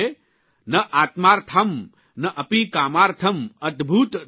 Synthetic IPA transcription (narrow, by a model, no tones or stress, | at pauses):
e | nɐʔaːt̪maːɾt̪ʰɐm | nɐʔɐpikaːmaːɾt̪ʰɐmɐd̪bʱuːt̪